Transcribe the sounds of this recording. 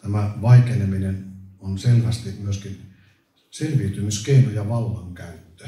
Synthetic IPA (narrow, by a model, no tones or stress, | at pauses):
t̪æmæʋɑikeneminenonselʋæst̪imyøskin | selʋiyt̪ymyskeinojɑʋɑlːɑŋkæyt̪ːø̥